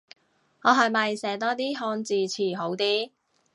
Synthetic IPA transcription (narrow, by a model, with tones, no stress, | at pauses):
ŋɔː˨˧ɦɐ˨jmɐ˨jsɛː˨˥t̪ɔː˥t̪iː˥ɦɔː˧nt͡siː˨t͡sʰiː˨˩ɦo˨˥wt̪iː˥